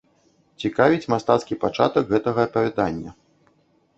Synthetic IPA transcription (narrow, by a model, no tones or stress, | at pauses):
t͡sʲikavʲit͡sʲmast̪at̪skʲipat͡ʂa̰t̪ɐɡɣɛt̪ɐɣɐɐpɐvʲad̪anʲːɐ̰